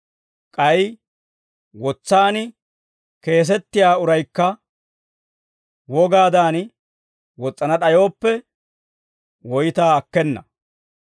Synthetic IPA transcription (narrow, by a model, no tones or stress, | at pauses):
kʼɐj | wɔt͡sːaːnɪ | ke̞ːs̬ɛt̪ːɪjaːʊɾɐjkːɐ | wɔɡaːd̪aːn | wɔt͡sʼːɐnɐɗɐjo̞ːpːɛ | wɔjɪt̪aːɐkːɛnːɐ̰